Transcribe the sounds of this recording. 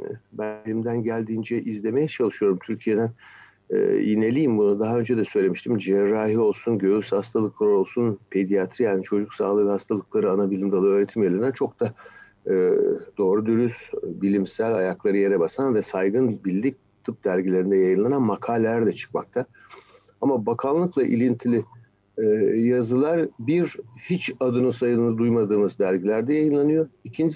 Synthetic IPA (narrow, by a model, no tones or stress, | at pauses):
bænilʲimd̪ænɟælʲd̪iːnd͡ʒɛʔizlʲe̞mejɛt͡ʃʰalˠɯʃɯjo̞ɾumt̪ʰyɾcʰije̞d̪æn̰ː | jine̞lʲijimbunad̪aɦaø̞nd͡ʒɛd̪ɛsø̞jlʲe̞miʃt̪ʰimd͡ʒɛɾaːɦio̞lˠsunɟø̞jyshast̪ʰalˠɯkʰlˠaɾo̞lˠsunpʰe̞d̪ijat̪ʰɾijaːnit͡ʃʰo̞d͡ʒuksaːlˠɯhast̪ʰalˠɯklˠaɾɯanabilʲimd̪alˠɯø̞ːɾe̞t̪ʰimjalʲˠɯnat͡ʃʰo̞k̚d̪a | ɯːd̪̥o̞ːɾud̪yɾysbilʲimsælʲajaklˠaɾɯje̞ɾɛbasanvɛsajɡɯnbilʲːic̚ | t̪ʰɯp̚d̪̥æɾɟilʲe̞ɾind̪ɛjajɯnlˠananmakʰaːlʲlʲæɾd̪ɛt͡ʃʰɯ̥kmak̚t̪ʰa | amabakʰanˠlːˠɯklˠaʔḭlʲint̪ʰilʲɪ | jazɯlˠaɾbiɾhit͡ʃad̪ɯnɯnsajɯnɯnad̪ujmad̪ɯːmɯzd̪æɾɟilʲæɾd̪ɛjajɯnlˠanɯjo̞icʰind͡ʒ